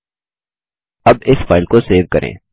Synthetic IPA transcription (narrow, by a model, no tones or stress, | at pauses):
ɐbɪsfaːɪlkoseːʋkɐɾʔḛ̃ː